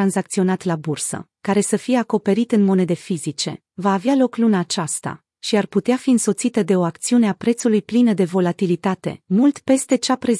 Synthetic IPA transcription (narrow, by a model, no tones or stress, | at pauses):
anzak̚t̪sio̞nat̪labursə̰ | kaɾe̞səfije̞ako̞pe̞ɾit̪ɨnmo̞ne̞d̪e̞fizit͡ʃe̞̰ | vaːvealo̞klunaːt͡ʃast̪a̰ | ʃiarput̪eafiɨnso̞t̪sit̪əd̪e̞o̞akt̪siune̞apɾe̞t̪sulujplinəd̪e̞vo̞lat̪ilit̪at̪e̞̰mult̪pe̞st̪e̞t͡ʃapɾe̞